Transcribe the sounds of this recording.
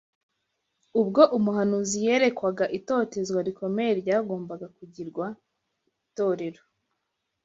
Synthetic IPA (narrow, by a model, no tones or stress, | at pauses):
ub̚ɡo̞ʔumuɦanuzije̞ɾe̞kwaɡaʔito̞ːte̞zwaɾikʰo̞me̞jeɾɟaːɡo̞ːmbaɡakuɟiɾɡwa | i | to̞ːɾe̞ɾo